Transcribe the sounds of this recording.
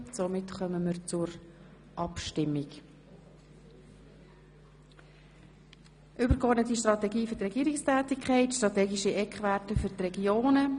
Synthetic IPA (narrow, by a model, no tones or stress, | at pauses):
somɪtχœməməɾt͡sʊɾ | ʔɑpʃtɪmːɪk | ʔʏbəɾkɔɾdnətiʃtrɑtɛɡiːføɾtrɛɡiːəɾɪkstʰɛːt̪ɪkʰχɛɪtʃtʁɑt̪ɛːɡiʃiɛkχʋætəfʏɾtrɛɡjoːnə